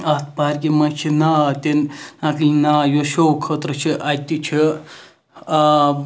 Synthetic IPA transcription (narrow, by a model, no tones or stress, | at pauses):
ɐt̪̚paːɾʲkimɐt͡ʃʰinaːt̪innakinaːjoʃowkʰət̪ɾət͡ʃʰiʔat̪it͡ʃʰi